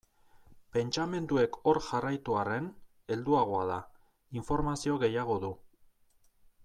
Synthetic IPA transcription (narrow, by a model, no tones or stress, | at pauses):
pe̞nt͡ʃame̞nd̪ue̞kʰo̞ɾʝarajt̪uare̞n | e̞ld̪uaɣ̞o̞aða | iɱfo̞ɾmasio̞ɣe̞jaɣ̞o̞ðu